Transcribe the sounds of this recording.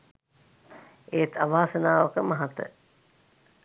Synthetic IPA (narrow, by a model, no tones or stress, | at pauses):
eːt̪ʰɐʋaːsənaːʋəkəmɐɦɐt̪ə̰